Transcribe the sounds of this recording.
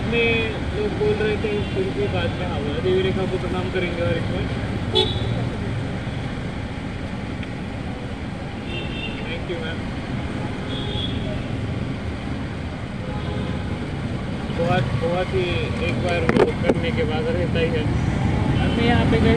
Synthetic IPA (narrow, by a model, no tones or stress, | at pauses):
nẽ | loːk̚boːlɾɐɦet̪ʰeĩʃʊɾukebaːd͡ʒmẽɦãmɐbʱibʱiɾeːkapʊt̪ɾənaːmkɐɾẽːŋɡeɔːɾekaːɾ | t̪ʰɛ̃ːŋkjumɛ̃ːn | bɔat̪boːat̪ɦieːkbaːɾoːtkɐɽnekebaːd̪ɔːɾɦẽnd̪aiɦɛː | ɐmĩjɐɦãpẽkɐ